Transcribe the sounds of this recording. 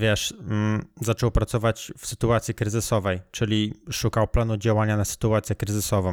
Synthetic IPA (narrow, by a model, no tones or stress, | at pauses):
vʲjɛʂ̩ | zat͡ʂɔwpɾat̪sɔvat͡ɕfsɘt̪uat̪sʲikɾɘzɘsɔvɛjt͡ʂɘlʲiʂukawplanud͡ʑawaɲanasɘ̥t̪uat̪sʲjɛkɾɘzɘsɔvɔ̃